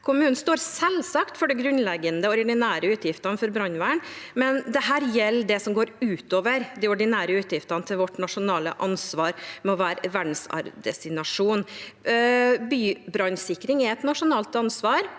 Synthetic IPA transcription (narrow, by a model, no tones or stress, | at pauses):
kʰʊmʉːnn̩st̪oːɾsɛlsɑkt̪fɔɖɛɡɾʉnlɛɡənd̪əɔɾɖɪnæːɾəʉːt̪jɪft̪ɑnfɔɾbɾɑɲʋæːɳmɛnd̪ɛɦæːɾjɛlːd̪ɛsɔmɡoːɾʉːt̪oːʋəɾd̪ɛɔɖɪnæːɾəʉːt̪jɪft̪ɑnət̪ʰɪlʋɔʈːnɑʂʊnɑːlə̰ʔɑnsʋɑːɾmɛɔʋæːɾʋæɖɳ̩sɑ̰ɾd̪ɛst̪ɪnɑʂuːn | byːbɾɑɲsɪkːɾɪŋɛɛt̪nɑʂʊnɑːlt̪ɑnsʋɑːɾ